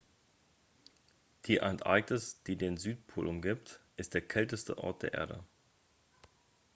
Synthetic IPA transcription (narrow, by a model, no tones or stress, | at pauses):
d̥iːʔɛ̰nʔa̰ɪɡtəsd̥iːdeːnzyːtpʰo̰ːlʔʊmɡiptʔɪst̚d̥eːɐkʰɛltəstə̰ʔɔ̰ɐt̚d̥eːɐʔḛːɐɾə̰